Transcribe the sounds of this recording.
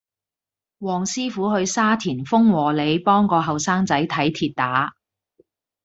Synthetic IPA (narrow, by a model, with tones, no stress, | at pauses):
wɔː˨˩ŋsiː˥fuː˨˥hɵ˧ɥsaː˥t̪ʰiː˨˩nfʊ˥ŋwɔː˨˩le˨˧jpɔː˥ŋkɔː˧ɦɐ˨wsaː˥ŋt͡sɐ˨˥jt̪ʰɐ˨˥jt̪ʰiː˧t̚t̪aː˨˥